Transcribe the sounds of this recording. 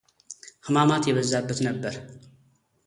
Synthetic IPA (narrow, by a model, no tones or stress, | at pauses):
xɨmamat̪jɛβɐzːabːət̪nɐbːɐɾ